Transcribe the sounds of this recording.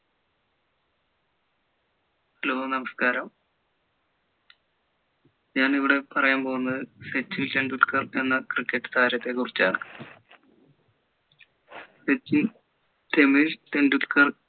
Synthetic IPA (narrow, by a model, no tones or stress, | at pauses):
loːɐnɐmɐskaːɾɐm | ɲaːniʋiɽe̞pɐrɐjaːmpoːɣunːɐðɨset͡ɕːilʈeɳɖulkɐre̞nːɐkrikːeʈːɨ̥t̪ʰaːɾɐt̪ːe̞kurit͡ɕːa̰ːɳɨ | set͡ɕːin | t̪emilt̪enɖulkɐr